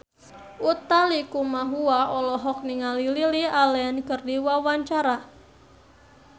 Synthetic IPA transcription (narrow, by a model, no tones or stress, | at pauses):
ʔut̪alikumaɦuaɔlɔɦɔk̚niŋalililialɛankərdiwawaɲt͡ʃaɾa